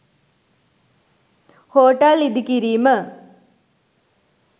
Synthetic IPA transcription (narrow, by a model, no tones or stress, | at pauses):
hoːʈalid̪ikiɾiːmə